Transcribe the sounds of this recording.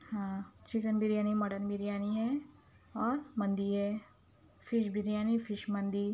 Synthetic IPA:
hãːt͡ʃɪkənbiɾjaːnimɐɽənbʱiɾijaːniɦɛ | ɔːɾmɐ̃nd̪iɦɛ | fʰɪʃbʱɪɾjaːnifʰɪʃmɐ̃nd̪i

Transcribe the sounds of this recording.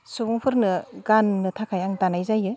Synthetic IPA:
subɔŋpʰɯɾnɯɡanːɯtʰakʰajaŋdanajzajɯ

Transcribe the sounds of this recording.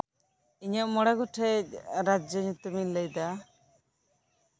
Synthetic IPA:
iɲəʔmɔɽɛɡɔʈʰɛc̚ɾad͡ʒɔɲut̪ːɔmilːəjd̪a

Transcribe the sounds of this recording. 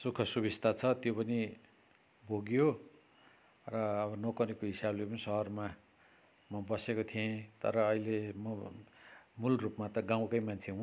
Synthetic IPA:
sukʰʌsubist̪ʰat͡sʰʌt̪jopʌni | bʱoɡjo | rʌːβʌnʌkʌɾekoɦisablepʌnisʌɦʌrma | mʌbʌsekot̪ʰijẽt̪ʌ̰ɾʌːilemʌ | mulrupmat̪ʌɡãw̃kʌjmant͡sʰeɦũ

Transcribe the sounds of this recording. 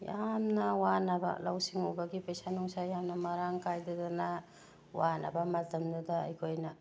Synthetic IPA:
jamnɐwanɐbɐ̰la̰wsiŋubɐɡipesanuŋsajamnɐmaɾaŋkʰajdadana | wanɐ̰bɐmɐtɐmduda̰ːjkʰojnɐ

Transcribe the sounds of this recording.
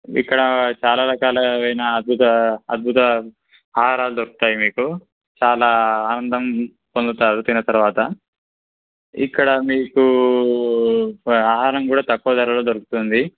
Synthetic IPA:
ḭkːɐɽɐt͡ʃaːlaːɾɐkaːlɐɐjnɐːd̪̚bʱut̪ɐɐd̪̚bʱut̪ɐ | aːɦaːɾaːlud̪oɾukut̪aːjimiːku | t͡ʃaːlaːnɐnd̪ɐm | pond̪ut̪aːɾut̪inːɐt̪ɐɾuʋaːt̪ɐ | ikːɐɽɐmiːku | aːɦaːɾɐŋkuːɽaːt̪ɐkːuːd̪ɐɾɐloːd̪oɾuku̥t̪und̪i

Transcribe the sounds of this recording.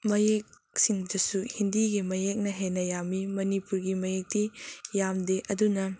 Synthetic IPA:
mɐjek̚ | siŋdɐsuhindiɡimɐjek̚nɐɦenɐjamimɐnipuɾɡimɐjek̚tijamdeʔɐdunɐ

